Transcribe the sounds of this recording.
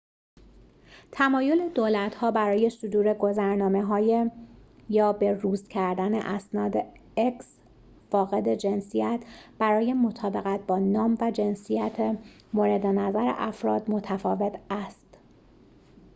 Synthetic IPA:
t̪ʰæmɒːjo̞led̪oːlæt̪ʰhɒːbæɾɒːje̞sod̪uːɾeɡo̞zæɾnɒːme̞ɦɒːjejɒːbe̞ruːst̪cʰæɾd̪ænḛʔæsnɒːd̪eeks | fɒːɣe̞d̪e̞d͡ʒe̞nsijæt̪ʰb̥æɾɒːje̞mo̞t̪ʰɒːbe̞ɣæt̪̚bɒːnɒːmvæd͡ʒe̞nsijæt̪ʰe | moɾed̪enæzæɾḛʔæfɾɒːd̪mo̞t̪ʰæfɒːve̞t̪ʰæst̪

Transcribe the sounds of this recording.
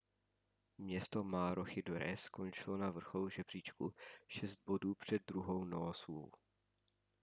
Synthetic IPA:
mɲɛst̪omaːɾʔoxɪdoɾɛskont͡ʃɪlo̞navr̩xowʒɛbr̝iːt͡ʃkuʃɛst̪̚bo̞duːpr̝̥ɛd̪̚ːɾuɦo̞wnooso̰w

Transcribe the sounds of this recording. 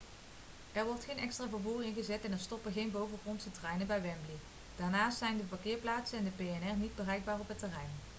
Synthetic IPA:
ʔɛɹʋɔɹtχejnɛkstraːvəɹvuːrɪnχəzɛtɛnɛɹstɔpəɣejnbowvəɣɔntsətrɛjnəbɛjʋɛmbli | d̥aːɹnaːstsɛjndəpakɪːɹplaːtsənɛndəpejɛnɛrnid̚bərɛjɡ̚baːrɔpətɛrɛjn

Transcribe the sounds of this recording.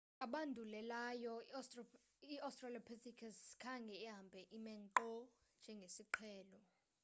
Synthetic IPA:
aɓandʱulɛlajɔs | iastʼraliapʰesikʰazkʰaŋɡʱɛɛɦambʱɛʔimɛŋǃɔ | nd͡ʒʱɛŋɡʱesiǃʰɛːlɔ

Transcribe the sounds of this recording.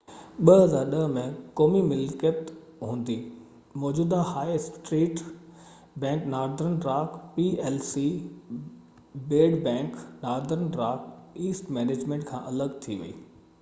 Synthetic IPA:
ɓəɦɐzaːɾɗəɦmẽkoːmimɪlkət̪ | ɦũːn̆d̪i | mɔːd͡ʑuːd̪ahaːɪsʈɾeːʈ | bɛ̃ːŋknaːɾd̪əɾənɾaːkpiɛːlsi | beːɖbɛ̃ːŋknaːɾd̪əɾnɾaːkʰiːsʈmɛːneːd͡ʑmẽːɳʈkʰãːʔɐləɡt̪ʰiʋḭḭː

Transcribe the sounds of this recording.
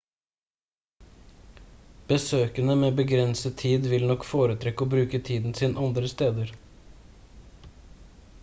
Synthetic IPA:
b̥əsøːkənəmeːbəɡɾɛnsət̪ʰiːd̪ʋɪlnɔkfoːɾət̪ʰɾɛkːəoːbɾʉːkət̪ʰiːd̪n̩siːnəʔɑnd̪ɾəst̪eːd̪əɾ

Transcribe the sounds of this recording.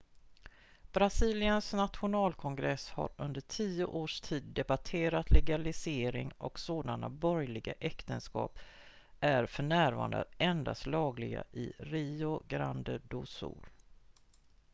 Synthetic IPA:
b̥ɾasiːlɪənsnat̪ɧʊnɑːlkʰɔŋɡɾɛsha̰ɾɵnd̪əʈʰiːʊʔoːʂt̪ʰiːd̪ːɛbatʰeːɾat̪lɛɡalɪseːɾɪŋɔksoːd̪anabɔɾjlɪɡaʔɛkt̪ənskɑ̰ːp | ʔæɾfœɳæːɾvɑ̰ːɳd̪a̰ɛnd̪a̰st̪lɑːɡlɪɡa̰ʔɪɾiːʊɡɾand̪əɖusṵːl

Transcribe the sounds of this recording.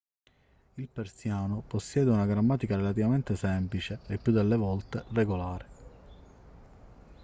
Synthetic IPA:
ilpersjaːnoposːjɛːd̪eunaɡɾamːaːt̪ikaɾelat̪̬ivament̪esɛmplit͡ʃeːpːjud̪ːelːevɔlt̪ereɡolaːɾe

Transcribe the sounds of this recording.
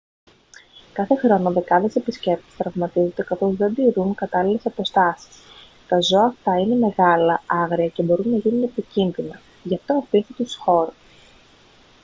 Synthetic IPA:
kɐθe̞xɾo̞noðe̞kɐðe̞se̞pisce̞pt̪i̥st̪ɾɐvmɐt̪izod̪e̞kɐθo̞zðe̞d̪iɾuŋkɐt̪ɐlile̞sɐpo̞st̪ɐsi̥s | t̪ɐzo̞ɐːft̪ɐine̞me̞ɣɐlɐɐɣɾiɐce̞bo̞ɾunːɐʝinune̞picinðinɐ | ʝɐft̪oɐpisit̪usxo̞ɾus

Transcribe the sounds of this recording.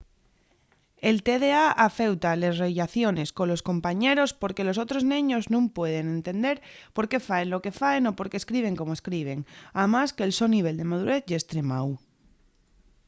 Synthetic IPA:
e̞lt̪eðe̞aʔafe̞wt̪aleszreʎaθjo̞ne̞sko̞lo̞sko̞mpaɲe̞ɾo̞spo̞ɾke̞lo̞sot̪ɾo̞znĩɲo̞znũmpwe̞ðe̞nẽ̞nt̪e̞nd̪e̞ɾpo̞ɾke̞faenlo̞ke̞faeno̞po̞ɾkeskɾiβ̞e̞ŋko̞moeskɾiβ̞e̞ŋamaskeːlso̞niβ̞e̞ld̪e̞maðuɾe̞θʝest̪ɾe̞maw

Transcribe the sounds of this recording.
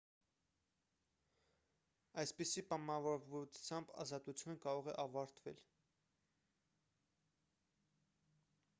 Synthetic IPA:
ɑjspisipɑmɑvɔɾvut͡sʰjɑmbɑ̰zɑt̪ut͡sʰjunəkɑɾɔʁɛ̰ʔɑvɑɾt̪vɛ̰l

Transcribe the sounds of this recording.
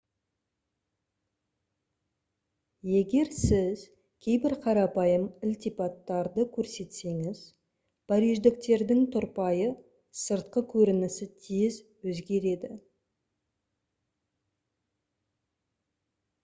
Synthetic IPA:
je̞ɡʲe̞ɾsɪz̥ | kʲʰe̞jbɪɾqʰɑɾɑpɑjəmɪlt̪ipɑt̪ːɑɾd̪əkʲʰɵɾse̞t̪se̞ŋɪz | pʰɑɾiʒd̪ɪk̚t̪e̞ɾd̪ɪŋt̪ʰʊɾpɑjə | səɾt̪̚qəkʲʰɵɾɪnɪsɪt̪ʰezwɵzɡʲe̞ɾe̞d̪ɪ

